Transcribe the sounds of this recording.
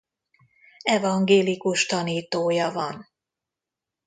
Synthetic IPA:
ɛvɒŋɡeːlikuʃt̪ɒniːt̪oːjɒvɒn

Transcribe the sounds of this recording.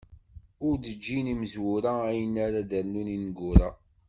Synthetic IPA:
ʊɾd̪əd͡ʒːiniməzwʊɾaæjənːaɾad̪əɾnuninɡʊɾæ

